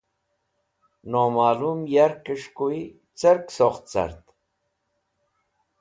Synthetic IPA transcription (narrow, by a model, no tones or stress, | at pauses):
noːmaːlumjaɾkəʂkui | t͡səɾksoχt̪̚t͡sa̰ɾt̪